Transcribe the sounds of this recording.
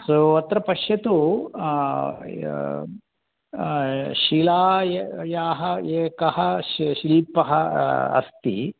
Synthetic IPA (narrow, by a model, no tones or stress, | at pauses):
soːɐt̪ɾɐpɐʃjɐt̪u | ʃilaːjaːɦɐeːkɐɦɐʃʃiliːpɐɦɐɐ̰st̪ḭ